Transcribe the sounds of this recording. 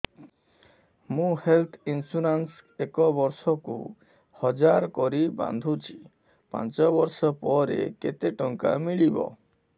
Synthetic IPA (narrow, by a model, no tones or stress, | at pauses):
mũhelt̪ʰinsuɾans | ekɔbɔɾʃɔkṵ | hɔd͡ʒaɾkɔɾiba̰nd̪ʱut͡ʃʰi̥ | pa̰nt͡ʃɔbɔɾʃɔpɔɾḛket̪eʈɔŋka̰miɭibɔ̰